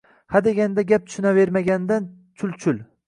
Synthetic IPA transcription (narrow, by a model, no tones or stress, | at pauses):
had̪eɡʲand̪aɡʲap̚t̪ʰʊ̥ʃɪnave̞ɾmaɡʲand̪an | t͡ʃʰʊlt͡ʃʰʊl